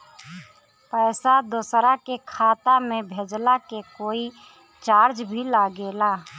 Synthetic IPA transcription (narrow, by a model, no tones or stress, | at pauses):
pəːsad̪osɾakekʰaːt̪amẽbʱed͡ʒlakekoːi | t͡ʃaːɾd͡ʒbʱilaɡeːla